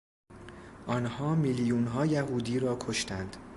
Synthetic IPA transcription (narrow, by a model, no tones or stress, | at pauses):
ʔɒːnhɒːmiljuːnɦɒːjæɦuːd̪iːɾɒːkʰo̞ʃt̪ænd̪̥